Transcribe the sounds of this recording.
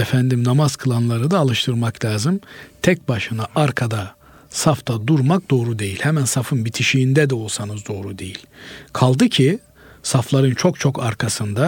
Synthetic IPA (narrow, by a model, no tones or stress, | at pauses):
efænd̪imnamazkʰɯlˠanlˠaɾɯd̪aːlˠɯʃt̪ʰɯɾmaklʲaːzɯmt̪ʰɛc̚baʃɯnaaɾkʰad̪a | saft̪ʰad̪uɾmak̚d̪o̞ːɾud̪e̞jilʲhɛmænsafɯnbit̪ʰiʃiːnd̪ɛd̪ɛo̞lˠsanɯzd̪o̞ːɾud̪e̞jilʲkʰalˠd̪ɯcʰi | saflˠaɾɯnt͡ʃʰo̞kt͡ʃʰo̞kʰaɾkʰasɯnd̪a